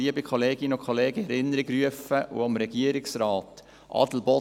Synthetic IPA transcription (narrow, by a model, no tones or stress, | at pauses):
iəbikʰχoleːɡɪnʊkʰχoleːɡəɛɾɪnːəɾiɡɾyəfəʔʊ̰ɑmɾɛɡ̥iəɾɪksrɑːt | ʔɑ̰dl̩bɔ